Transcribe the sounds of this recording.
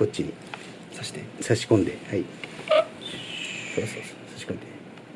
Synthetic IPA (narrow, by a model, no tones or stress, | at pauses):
ko̞tt͡ɕiɲ̟i | soɕi̥t̪esaɕi̥kõ̞nd̪e̞hai | soso | saɕi̥kõnd̪e